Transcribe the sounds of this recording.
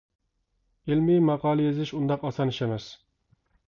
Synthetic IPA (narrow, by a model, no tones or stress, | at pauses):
elmimɑqɑːlˠɨjezɪʃund̪ɑqɑsɑniʃɛmɛs